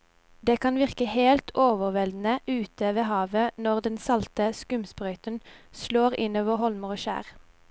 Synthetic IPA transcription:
d̪eːkʰɑnʋɪʁkəheːlt̪ʰoːʋəʁʋɛld̪n̩əʔʉːt̪ʰəʋeːhɑːʋənɔʁd̪ɛnsɑlt̪əskʉmspʁœʏt̪ənsloːʁɪnoːʋəhɔlməʁoːʃæ̰ːʁ

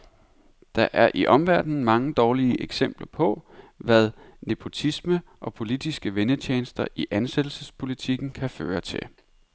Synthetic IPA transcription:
d̥ɑ̈ʔæɐʔiʔɒ̽mʋæɐ̰d̥n̩mɑ̈ŋəd̥ɒːliəʔeɡ̥sem̰b̥lɐpʰɒ̽ʋæð̞ˠnepʰo̝t͡sʰisməʔɒ̽pʰo̝lid̥isɡ̥əʋenət͡ɕʰeːnsd̥ɐʔiʔænsed̥l̩səspʰo̝lit͡sʰiɡ̥n̩kʰæfø̰ːɐt͡sʰe̝l

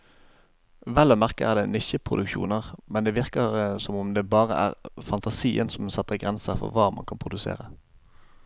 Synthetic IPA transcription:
ʋɛlːɔːmæʁkəʔæ̰ʁd̪ɛːnɪʃəpʰʁʊd̪ʉkʃṵːnəʁmɛnd̪eːʋɪʁkəʁsɔmɔmd̪eːbɑːʁə̰ʔæ̰ːʁfɑnt̪ʰɑsiːənsɔmsɑt̪ːəʁɡʁɛnsəʁfɔ̰ʁʋɑːmɑ̰nkʰɑnpʰʁʊd̪ʉsḛːʁə

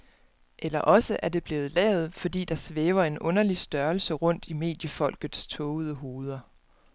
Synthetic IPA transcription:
ʔelɐʔɒ̽səʔæɐd̥e̝b̥le̝ːð̞̩ˠlɛ̰ːʊð̞̩ˠfɒ̽d̥ḭːd̥ɑ̈sʋeːʊɐe̝nʔɔ̽nɐlisd̥ɶɐlsəʁɔ̽n̰d̥ime̝̰ːd̥jəfɒ̽l̰ɡ̥ð̩ˠst͡sʰɔːʊð̞ˠəɦo̝ːð̞ˠɐ

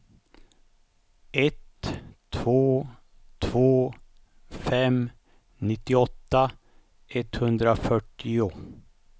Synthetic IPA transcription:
ɛt̪ʰː | voː | t̪ʰvoː | fɛm | nɪt̪ːɪɔt̪ːa | ɛt̪hɵnd̪ɾafœʈːɪʊ

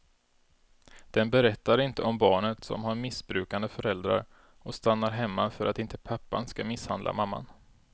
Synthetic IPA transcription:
d̪̥ɛnbɛɾɛt̪ːaɾɪnt̪əɔmbɑːɳət̪sɔ̰mhaɾmɪsbɾʉ̟ːkand̪əfœɾɛld̪ɾa̰ɾ | ɔst̪anːaɾɦɛmːafœɾʔat̪ɪnt̪ə̥pʰapːa̰nskamɪsha̰nd̪la̰mamːa̰n

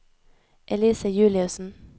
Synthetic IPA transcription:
ʔɛliːsəjʉːlɪʉsn̩

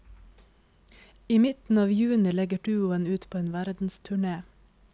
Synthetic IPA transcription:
iːmɪt̪n̩ɑːʋjʉːnɪlɛɡəɖʉːʊənʉːt̪pʰoːeːnʋæɾd̪n̩st̪ʰʉɳeː

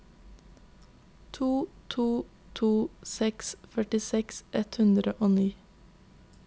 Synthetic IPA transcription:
t̪ʰuːt̪ʰuː | t̪ʰuːsɛksfœʈɪsɛksʔɛt̪hʉnd̪ɾəʔoːniː

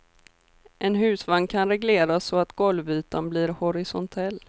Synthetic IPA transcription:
ʔɛnɦʉ̟ːsvaŋkʰanɾɛɡleːɾasɔat̪ɡɔlvyːt̪anblɪɾhɔɾɪsɔnt̪ʰɛlː

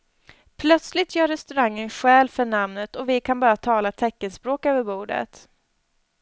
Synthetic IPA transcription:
pʰlœt̪slɪt̪jœːɾɛst̪ɵɾaŋːənɧɛːlfœɳamnət̪ɔvɪkʰanbɑːɾat̪ʰɑːlat̪ʰɛkːənspɾoːkøːvəɾbuːɖə̰t̪

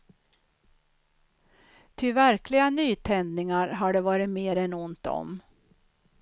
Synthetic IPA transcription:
t̪ʰɪvæɾklɪɡanyːt̪ʰɛnd̪nɪŋaɾɦaɖɛvɑːɾɪt̪meːɾɛnʊnt̪ɔ̰m

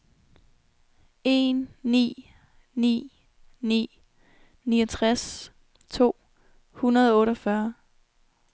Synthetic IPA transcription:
e̝nːḭː | nḭː | nḭː | niːɒt͡sʰʁas | t͡sʰo̝̰ː | hunɐðˠɒɔ̽ːɾɒfɶɐ

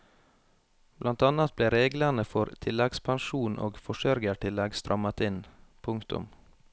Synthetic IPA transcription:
b̥lʔɑnt̪ɑnɑt̪̚bleːɾeːɡlənəfɔɾt̪ʰɪlɛɡspʰɑnʃuːnʔo̰ːɡfɔʃœɾɡəʈɪlːɛɡst̪ɾʔɑmɑt̪ɪnpʰʊŋkt̪ʊ̰m

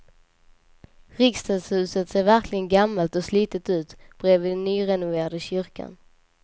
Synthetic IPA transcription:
ɾɪkst̪ɑːd̪shʉ̟ːsət̪seːɾvæɾklɪɡənɡamːalt̪ɔsliːt̪ət̪ʉ̟ːt̪b̥ɾeːvɪd̪ɛnːyːɾɛnʊveːɾad̪əɕʏɾkʰa̰n

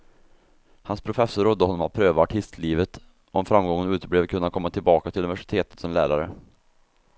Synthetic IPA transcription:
hanspʰɾʊfɛsːʊɾɔd̪ːəhɔnːɔmat̪̚pʰɾøːvaaʈʰɪst̪ʰliːvət̪ | ʔɔmfɾamːɡɔŋːənʉ̟ːt̪əbleːvkʰɵnːakʰɔmːat̪ʰɪlbɑːkat̪ʰɪlɵnɪvæʂɪ̥t̪ʰeːt̪ə̥t̪sɔmlæ̰ːɾaɾə

